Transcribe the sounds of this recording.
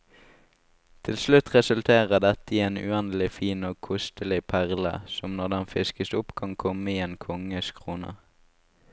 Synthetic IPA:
t̪ʰɪlslʉt̪ʁɛsʉlt̪ʰeːʁəd̪ɛt̪əieːnʉ̰ɛnl̩ɪfiːnoːkʰʊst̪əlɪpʰæʁlə̰sɔmnɔʁd̪ɛnfɪskəsʊpkʰɑŋkʰɔməiːeːnkʰɔŋəskʰʁuːnə̰

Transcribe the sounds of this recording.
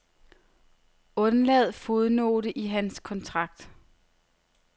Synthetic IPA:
ɔ̽nlɛð̞̩ˠfoðˠno̝̰ːɾəʔiɦænskʰɒ̽nt͡sʰʁɑ̈ɡ̥̚d̥

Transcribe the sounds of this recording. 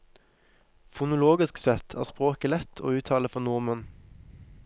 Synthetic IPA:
fʊnʊloːɡɪsksɛt̪ʰæ̰ːʁspʁoːkəlɛt̪ʰo̰ːʉːt̪ʰɑːləfɔnʊʁmən

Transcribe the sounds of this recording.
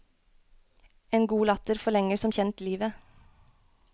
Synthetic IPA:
eːnɡuːlɑt̪əɾfɔɭɛŋəsɔmçɛnt̪liːʋə

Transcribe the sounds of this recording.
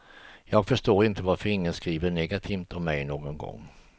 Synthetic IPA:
jɑːɡfœʂʈoːɾɪnt̪əvaɾfœɾɪŋːənskɾiːvəɳɛɡat̪ʰiːft̪ɔmmɛjnoːɡɔnɡɔ̰ŋː

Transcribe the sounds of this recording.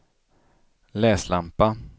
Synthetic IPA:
lɛːslampa

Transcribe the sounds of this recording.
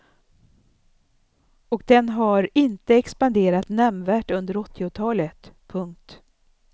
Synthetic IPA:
ɔk̚d̪ɛnɦaɾɪnt̪əɛkspand̪eːɾat̪nɛmvæːʈɵnd̪əɾɔt̪ʰːɪʊt̪ʰɑːlət̪pʰɵŋk̚t̪

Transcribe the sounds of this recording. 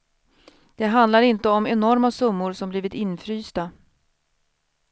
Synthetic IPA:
d̪̥ɛɦand̪laɾɪnt̪əɔmɛnɔɾmasɵmːʊɾsɔmbliːvɪt̪ɪnfɾyːst̪a

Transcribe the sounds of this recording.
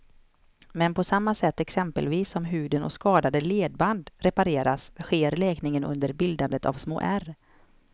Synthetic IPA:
mɛnpʰɔsamːasɛt̪ːɛksɛmpə̰lviːsːɔmɦʉ̟ːd̪ənɔ̰skɑːd̪ad̪əleːd̪̚band̪ɾɛpaɾeːɾasɧeːɾlɛːknɪŋənʔɵ̰nd̪əɾbɪld̪and̪ət̪ʰa̰vsmo̰ːʔæɾ

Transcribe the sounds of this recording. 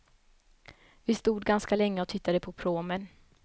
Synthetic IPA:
vɪst̪uːd̪ɡanskalɛŋːəɔt̪ʰɪt̪ːad̪əpʰɔpʰɾoːmən

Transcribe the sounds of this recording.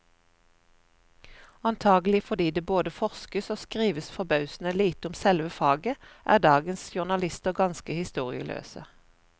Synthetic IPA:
ɑnt̪ʰɑːɡlɪfɔd̪iːd̪eːboːd̪əfɔʁskəsoːskʁiːʋəsfɔbɑʉsn̩əliːt̪ʊmsɛlʋəfɑːɡəʔæ̰ːʁd̪ɑːɡənsʃʊʁnɑlɪst̪əʁɡɑnskəhɪst̪uːʁɪ̰ə̰lʔø̰ːsə

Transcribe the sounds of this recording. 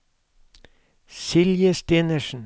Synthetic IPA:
sɪljəst̪eːnəʃn̩

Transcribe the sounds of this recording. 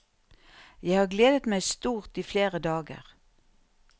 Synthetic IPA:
jæɪhɑːɡleːd̪ət̪mæɪst̪uːʁt̪iːfleːʁəd̪ɑːɡə̰ʁ

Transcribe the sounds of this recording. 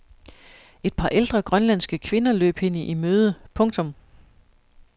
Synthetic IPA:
e̝d̥̚pʰɑ̈ʔeld̥ʁɐɡ̥ʁɶnlæn̰sɡ̥əkʰʋe̝nɐlø̰ːb̥he̝n̰əʔimøːð̞ˠəpʰɔ̽ŋt͡sʰɔ̽m

